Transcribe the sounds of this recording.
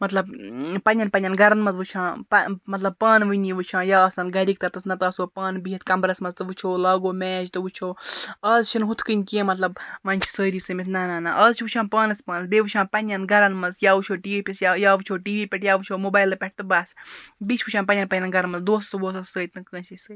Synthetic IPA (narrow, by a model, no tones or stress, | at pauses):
mɐt̪lɐb̚pɐnʲjɐnpɐnʲɐnɡɐɾɐnmɐzʋɨt͡ʃʰãːpɐmɐt̪lɐb̚paːnʋɨniʋɨt͡ʃʰãːjaːsɐnɡɐɾiːk̚t̪ɐt̪ɨsnɐt̪ɐːsoːpaːnbiɦit̪ʰkɐmbɾɐsmɐzt̪ɨʋɨt͡ʃʰoːlaːɡoːmɛːt͡ʃt̪ɨʋut͡ʃʰoːɐːzt͡ʃʰinɦut̪ʰkɨnʲkẽːmɐt̪lɐbmɐnʲt͡ʃʰi̥səːɾiːsɨmit̪ʰnaːnaːnaʔɐːzt͡ʃʰiʋut͡ʃʰãːpaːnɐspaːnɨsbeːʋut͡ʃʰãːnpɐnjɐnɡɐɾɐnmɐzjaːʋut͡ʃʰoːʈiːʋiːpʲisjajaːʋut͡ʃʰoːʈiːʋiːpʲeʈʰjaːʋɨt͡ʃʰoːmobaːjlɨpʲɛʈ̚ʰt̪ɨbaːsbit͡ʃʰʋut͡ʃʰãːnpɐnʲɐnpɐnʲːɐnɡɐɾɐnmɐzd̪oːsɐ̥sboːsɐssəːit̪nɨkəːnsisəː